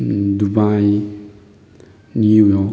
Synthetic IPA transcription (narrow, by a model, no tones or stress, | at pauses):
dubaj | nijɔ